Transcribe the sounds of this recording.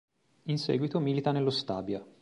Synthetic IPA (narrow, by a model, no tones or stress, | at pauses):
insɛ̰ːɡwit̪omiːlit̪anelːost̪aːbja